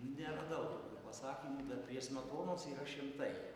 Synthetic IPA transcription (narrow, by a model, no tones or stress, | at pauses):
nʲɛɾɐd̪ɐʊtːkʲuːpɐsɑːkʲiːmuːd̪ɐtpʲɾʲiɛsmɐt̪oːnoːsiːɾɐʃʲɪmt̪ɐɪ